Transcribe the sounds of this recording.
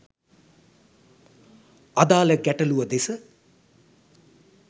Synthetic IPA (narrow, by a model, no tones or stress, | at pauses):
ad̪aːləɡæʈəluʋəd̪esə